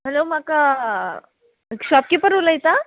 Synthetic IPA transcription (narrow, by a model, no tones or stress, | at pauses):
ɦɛlomaka | kɕɔp̚kipəɾuləjt̪a